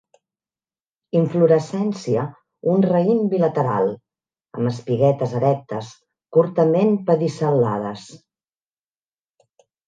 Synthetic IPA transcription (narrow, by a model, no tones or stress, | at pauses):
iɱfluɾəsɛnsiə | unrəimbilət̪əɾa̰lˠ | ə̰məspiɣɛt̪əzəɾɛk̚t̪əs | kuɾt̪əmenpəðisəlːa̰ðəs